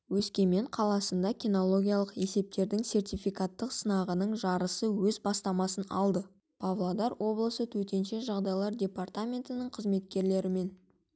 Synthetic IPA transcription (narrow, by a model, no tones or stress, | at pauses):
wɵskʲe̞me̞ɴqʰɑlˠɑsənd̪ɑkʲino̞lˠo̞ɡʲijalˠəqe̞se̞p̚t̪e̞ɾd̪ɪŋse̞rt̪ʲijfijkat̪ːəqsənɑʁənəɴʒɑɾəsəwɵzbɑst̪ɑmɑsənɑ̰lˠd̪ə | pʰavlˠod̪ɑɾwʔo̞blˠəsət̪ʰɵt̪e̞nʃe̞ʒɑʁd̪ɑjlˠɑɾdʲe̞part̪amʲe̞nt̪ənəɴqʰəzme̞t̪kʲe̞ɾle̞ɾɪme̞n